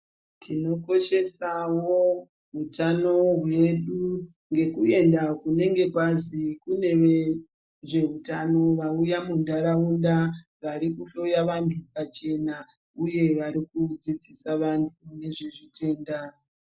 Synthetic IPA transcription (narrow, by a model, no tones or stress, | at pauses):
tʰino̞ko̞ʃe̞sawo̞ | ɦutano̞ɦwe̞ɗu | ŋɡe̞kue̞ndakune̞ŋɡe̞kwazikune̞e | ʐe̞ɦutano̞ʋaujamundʱaɾaunda | ʋaɾikuɬo̞jaʋantʰupat͡ʃe̞na | uje̞ʋaɾikud͡zid͡zisaʋantʰune̞ʐeʐitʰe̞ːnda